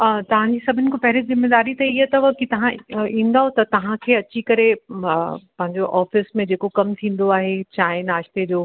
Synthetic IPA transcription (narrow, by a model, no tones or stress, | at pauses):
t̪ɐʋ̤ãɲd͡ʑiːsɐbʱʊnɪ̆kʰopɐɦɪlizɪmːeːd̪aːɾit̪ɐiɦt̪ɐʋɐkit̪ɐʋ̤ãĩːn̆d̪aːɦot̪ɐt̪ɐʋ̤ãkʰeːɐt͡ɕikɐɾe | pɐ̃ɦɪ̃ɲd͡ʑoʔɔːfɪsmẽd͡ʑeːkokɐmt̪ʰĩːn̆d̪oaːɦet͡ɕaːɦɪnaːʃt̪ed͡ʑoː